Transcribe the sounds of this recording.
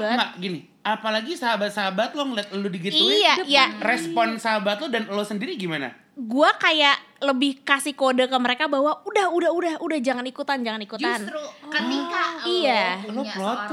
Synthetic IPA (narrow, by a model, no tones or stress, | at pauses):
ŋɡaɡinɪ | apalaɡisaɦabat̪̚saɦabat̪̚lɔŋliat̪̚ludiɡitiuajarɛspɔnsaɦabat̪lodanlosəndiɾiɡimana̰ | ɡuakajaʔləbɪhkasɪhkodakəməɾekabawaudahudaɦudahudahd͡ʒaŋanikut̪and͡ʒaŋanikutd͡ʒ̪asnɾukət̪ikaijaloplɔt̪